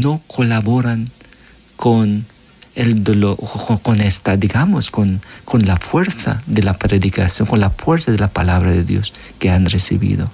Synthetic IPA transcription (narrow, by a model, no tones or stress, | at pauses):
nokʰolaβoɾan | kʰon | eld̪olookonest̪ad̪iɣamoskonkonlafweɾθa̰ðelapɾeðikasjoŋkonlafweɾθaðelapalaβɾaðeðjo̰s | keanresḭβḭðo̰